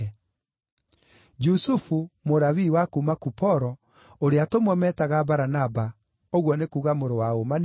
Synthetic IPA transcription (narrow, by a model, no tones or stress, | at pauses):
d͡ʒusufumoɾawiwakumakupɔɾɔ | oɾeatomwɔmɛtaɣabaɾanaba | oɣwɔnekuɣamoɾowaoman